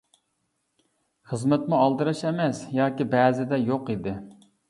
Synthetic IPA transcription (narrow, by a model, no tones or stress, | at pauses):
χəzmɛt̪muɑlˠd̪ɨɾɑʃɛmɛsjɑːkʲibɛzɪd̪ɛjoqid̪ɪ